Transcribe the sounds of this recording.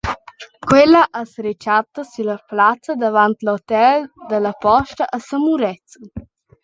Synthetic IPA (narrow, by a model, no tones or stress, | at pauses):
kwelaʔasɾet͡ʃat̪əsiləplat͡səd̪əvant̪lot̪ɛld̪əlɐpɔʃt̪əʔəsəmuɾɛt͡sə